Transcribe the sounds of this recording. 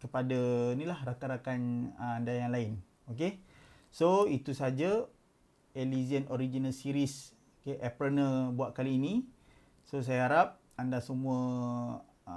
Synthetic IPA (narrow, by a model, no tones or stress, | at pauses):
kəpadanilahɾakaɾakanandajaŋlaɪn | ok̬e | soit̪usad͡ʒa | eliziənoɾid͡ʒinalsiɾis | okeʔɛpɾənəbuaʔ̪̚kaliːni | sos̬ajaɦaɾap̚ | andasəmũə